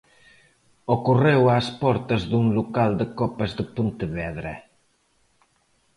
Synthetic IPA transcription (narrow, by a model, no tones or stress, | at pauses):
okurewaspɔɾt̪ɐzðuŋlukald̪əkɔpazðəpunt̪əβɛðɾḛ